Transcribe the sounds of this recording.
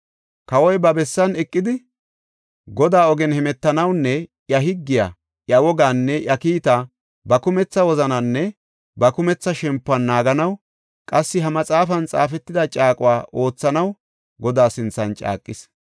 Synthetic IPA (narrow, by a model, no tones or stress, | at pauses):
kɐwɔjbɐbɛsːɐnɛkʼːɪd̪ɪ | ɡɔd̪aːɔɡɛnhɛmɛt̪ːɐnɐwnːɛ | jɐɦɪɡːɪja̰ | ʔjɐwɔɡaːnːɛʔjɐkiːt̪a | bɐkʊmɛt͡sːɐwɔzɐnɐnːɛ | bɐkʊmɛt͡sːɐʃɛmpːʊɐnːaːɡɐnɐw | kʼɐsːɪɦɐmɐt͡sʼaːfɐnt͡sʼa̰ːfɛt̪ːɪd̪ɐt͡ʃʼaːkʼʊwaːʔo̞ːt͡sːɐnɐw | ɡɔd̪aːsɪnt͡sːɐnt͡ʃʼa̰ːkʼːɪs